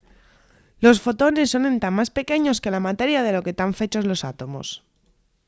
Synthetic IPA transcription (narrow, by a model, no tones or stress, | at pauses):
lo̞sfo̞t̪o̞ne̞sːo̞nẽ̞nt̪amːaspe̞ke̞ɲo̞ske̞lamat̪e̞ɾjað̞e̞lo̞ke̞t̪aɱfe̞t͡ʃo̞zlo̞sat̪o̞mo̞̰s